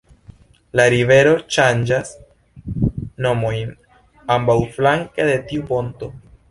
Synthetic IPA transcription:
laɾive̞ɾo̞ʃand͡ʒas | no̞mo̞jn | ambawflaŋkede̞tiupo̞nto̞

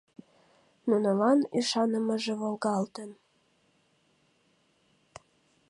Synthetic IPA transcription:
nunəlɑniʃɑnəməʒĕβolɣɑlt̪ən

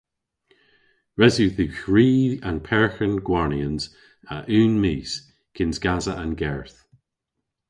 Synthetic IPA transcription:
ɹɛzʉðʉxɹiːə̃npʰɛɹxənɡwaɹniənz | aʔʉːnmiːs | kʰɪnzɡazəʔənɡɛɹθ

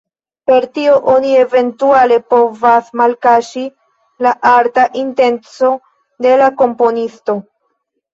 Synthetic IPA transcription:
pe̞ɾtio̞ʔo̞nie̞ve̞ntuale̞po̞vasmalkaʃi | laʔaɾtaʔinte̞nt͡so̞ | de̞lako̞mpo̞nisto̞

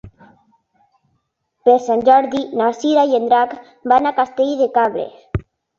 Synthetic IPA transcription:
peɾsanʲd͡ʒɔɾðinaɾsiɾaiend̪ɾak | banakast̪eʎðekaβɾḛs

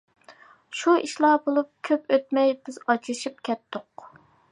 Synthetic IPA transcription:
ʃuiʃlˠɑbolˠup̚kʲʰøpøt̪̚mɛjbɪzɑt͡ʃʰɾʃip̚kʲʰɛt̪ːʊq

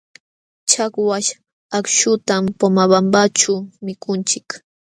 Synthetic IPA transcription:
t͡ʃakwaʃ | akʃʊt̪ampomabambat͡ʃamɪkʊnt͡ʃɪk

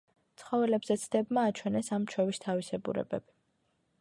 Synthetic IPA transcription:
t̪sʰχɔvɛlɛbzɛt̪sʰd̪ɛbmaːt͡ʃʰwɛnɛsamt͡ʃʰwɛvist̪ʰavisɛbṵɾɛ̰bɛ̰b̥i

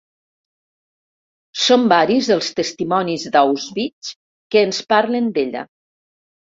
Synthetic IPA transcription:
sombaɾizðəlˠst̪əst̪imɔnizd̪awzβit͡ʃ | kəːnspaɾlənd̪eʎə̰

